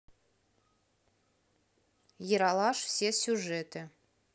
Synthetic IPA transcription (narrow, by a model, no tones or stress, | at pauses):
jəɾɑlˠɑʃfsʲesʲuʒɛt̪ɘ̆